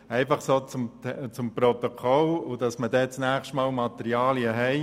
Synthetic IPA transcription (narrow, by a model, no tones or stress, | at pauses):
ɛɪfɑχsoːt͡sʊmtt͡sʊmpɾɔt̪okʰɔlʊd̥ɑsmədɛt͡snæːχʃtmɑːlmɑt̪ɛɾiɑːliəɦɛɪ